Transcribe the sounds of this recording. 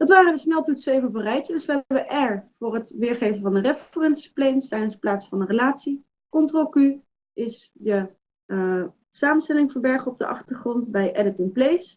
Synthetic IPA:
d̥ɑtʋaːrənəsnɛlˠtutsejvəvərɛjtədəsʋəɛəʋəʔɛɹv̥ʊːrətʋɪːɹχejvəvɑndərɛfərɛnsi̥plejnstɛjdəsə̥plaːtsfɑndərəlaːtsi | kɔntroky | ʔɪsjə | saːmənstɛlɪŋvəɹbɛɹχəɔb̚də̰ʔɑ̰χtəɹχrɔntbɛjʔɛdɪtənplejs

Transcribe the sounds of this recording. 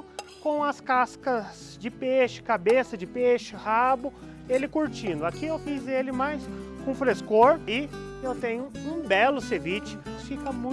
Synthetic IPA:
kõw̃ɐskaskɐz | d͡ʒɪpeʃɪ̥kabesɐd͡ʒɪpeʃɪhabʊ | elɪkuɾt͡ʃĩnd̪ʊakiewfizelɪmajskõfɾeskoɾɪ | ewt̪ẽɲʊũbɛlʊsevit͡ʃɪ̥ | fikɐmũ

